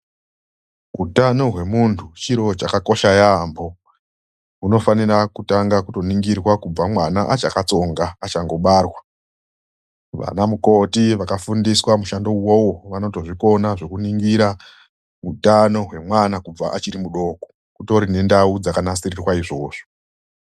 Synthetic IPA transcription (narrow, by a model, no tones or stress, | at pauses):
utanoɦwe̞muntʰut͡ʃiɾo̞t͡ʃakako̞ʃajambo̞ | uno̞fanirakutaŋɡakuto̞niŋɡirwakub͡vamwanaʔat͡ʃakat͡so̞ŋɡaːt͡ʃaŋɡo̞ɓarwa | ʋa̰namuko̞tiʋakafundiswamuʃando̞wowo̞ʋano̞to̞ʐiko̞naʐe̞kuniŋɡiɾa | utano̞ɦwe̞mwanakub͡vaʔat͡ʃiɾimuɗo̞ko | kuto̞ɾine̞ndaud͡zakanasirirwaiʐo̞ːʐ̥o